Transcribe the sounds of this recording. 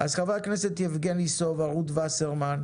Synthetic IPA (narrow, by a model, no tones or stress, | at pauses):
azχavaaknɛset̪jevɡenlisovaʁut̪vaseʁman